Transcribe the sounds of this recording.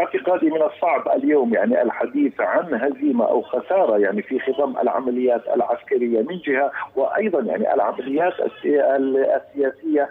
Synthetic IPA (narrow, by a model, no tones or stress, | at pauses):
ɪʕt̪ɪqɑːd̪imɪnɑsˤːɑʕbʔa̰ljoːmjaʕniʔa̰lħad̪iːθʕanɦaziːma̰ʔa̰wxasɑːɾˤɑjaʕnifixɪðˤɑmʔa̰lʕa̰malɪjːaːt̪a̰lʕaskaɾɪjːamɪnd͡ʒɪhawɪʔɑjðˤɑnjaʕnḭʔa̰lʕamalɪjːaːt̪a̰s | sːɪjaːsɪjːa